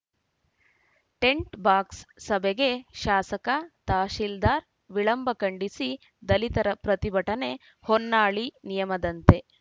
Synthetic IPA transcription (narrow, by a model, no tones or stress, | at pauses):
ʈe̞ɳʈbaːksːɐbeɡe̞ʃaːsɐkɐt̪aːʃild̪aːɾ | ʋiɭɐmbʱɐkɐɳɖisi | d̪ɐlit̪ɐɾɐpɾɐt̪ibɐʈɐne̞ | honːaːɭinijɐmɐd̪ɐnt̪e̞